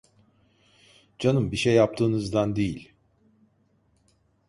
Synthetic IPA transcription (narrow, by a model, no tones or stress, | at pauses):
d͡ʒanɯmbiʃejːap̚t̪ʰɯːnɯzd̪and̪ejilʲ